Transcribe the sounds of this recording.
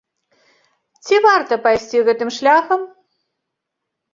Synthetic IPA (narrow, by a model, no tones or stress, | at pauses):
t͡sʲivɑrt̪əpajsʲt͡sʲiɣɛt̪ɨmʃlʲaxəm